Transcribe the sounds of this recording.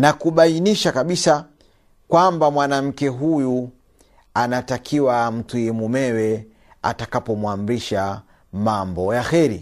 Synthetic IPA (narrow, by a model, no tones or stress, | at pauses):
nakuɓainiʃakaɓisa | kwambamwanam̩kɛɦuju | anatakʰiwam̩tujɛmumɛwɛ | a̰takapɔmwam̩biʃa | mambɔjaxɛɾḭ